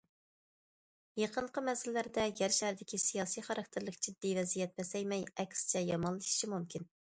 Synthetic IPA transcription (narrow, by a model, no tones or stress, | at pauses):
jɑqəɴqʰəmɛsɪlɪlæɾd̪ɛɡʲɛɾʃæhɾd̪ɪkʲisijɑːsijχɑɾɑk̚t̪ʰɪɾlˠɨkd͡ʒid̪ːivɛzijɛt̪̚bɛsɛjmɛjɛkʲsɪ̥t͡ʃʰɛjɑmɑnlˠɨʃi̥ʃimumkʲin